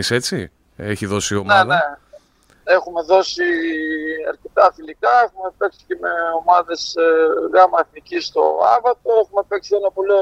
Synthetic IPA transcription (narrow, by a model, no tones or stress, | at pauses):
ise̞t͡si | eçiðo̞sio̞mneɐðe̞ | e̞xume̞ðo̞si | ɐɾce̞t̪ɐfilikɐexume̞peksi̥ce̞meo̞mɐðe̞sɣɐmɐeθnicist̪o̞̰ɐ̰vɐt̪o̞e̞xumepe̞ksienɐpoli